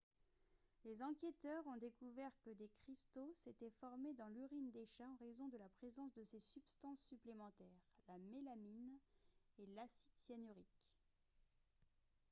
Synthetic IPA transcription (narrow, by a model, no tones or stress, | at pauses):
lezɑ̃kʲet̪œʁɔ̃d̪ekuvɛʁkəd̪ekχist̪oset̪ɛfɔʁmed̪ɑ̃lyʁind̪eʃaɑ̃ʁezɔ̃d̪əlapχezɑ̃sd̪əsesypst̪ɑ̃sːyplemɑ̃t̪ɛːʁlamelamin | elasit̪janyʁik